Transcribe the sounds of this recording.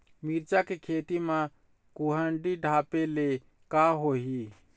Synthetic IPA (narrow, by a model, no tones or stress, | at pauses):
miɾt͡ʃakekʰet̪imã | kuɦəɳɖiɖʱapele | kaɦoɦi